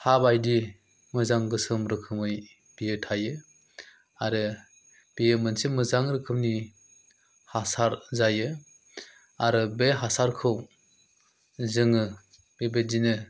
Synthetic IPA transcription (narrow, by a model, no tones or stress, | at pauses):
habajdi | mɯzaŋɡɯsɯmɾɯkʰɯmɯj | b̥ijɯtʰajɯ | aɾɯ | b̥ijɯmɯnsimɯzaŋɾɯkʰɯmni | hasaɾzajɯ | aɾɯbeɦasaɾkʰɯw | zɯŋɯ | b̥ebedinɯ